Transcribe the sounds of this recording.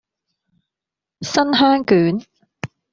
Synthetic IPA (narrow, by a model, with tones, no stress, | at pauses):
sɐ˥nɦaː˥ŋkyː˨˥n